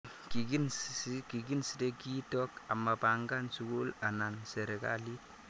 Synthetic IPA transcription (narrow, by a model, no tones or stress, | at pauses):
kikinkiɡinsitekitɔkamːapaŋɡansukulananseɾeka̰li